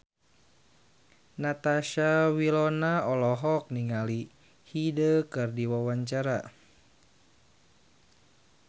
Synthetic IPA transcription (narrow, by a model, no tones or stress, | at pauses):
nat̪aʃawilɔnaɔlɔɦɔk̚niŋali | hidəkɨrdiwawaɲt͡ʃaɾa